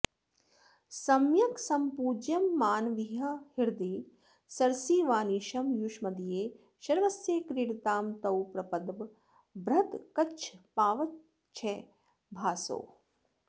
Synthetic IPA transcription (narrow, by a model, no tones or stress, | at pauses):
sɐmjɐksɐmpuːd͡ʒjɐmːaːnʋiɦɐhiɾd̪i | sɐɾsiːʋaːniːʃɐmjuʃmɐd̪ijeː | ʃɐɾʋɐsjeːkɾiɽt̪aːmt̪ɐwpɾɐpɐd̪ʋ | bɾɐt̪kɐt͡ʃʰpaːʋɐt̪ | t͡ʃʰe | bʱaːso̰ː